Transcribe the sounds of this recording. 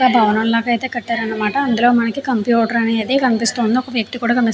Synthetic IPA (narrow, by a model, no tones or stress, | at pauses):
aːbʱɐʋɐnɐmlaːɡɐjt̪e̞ːkɐʈːaːɾɐnːɐmaːʈɐːnd̪uloːmɐnɐkikɐmpjuːʈɐɾɐneːɐd̪eːkɐnipist̪oːnd̪iɔkɐʋjɐk̚t̪ikuːɽaːkɐmis